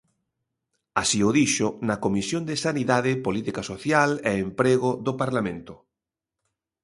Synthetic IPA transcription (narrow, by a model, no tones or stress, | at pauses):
asioðiʃonakomisjõnd̪esaniðaðɪpolit̪ikasoθjaleːmpɾeɣ̞oðopaɾlamẽnt̪ʊ